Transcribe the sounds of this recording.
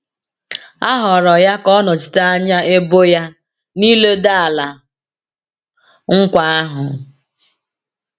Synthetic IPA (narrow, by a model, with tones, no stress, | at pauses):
a˦ɦɔ˨ɾɔ˨ja˦kɔ˦nɔ˨t͡ʃi̥˨ta˦a˦ɲa˦ʔe˦bo˦ja˦ | ni˦le˦da˦a˨la˨ | ŋ̩˦kʷa˦a˦ɦʊ˨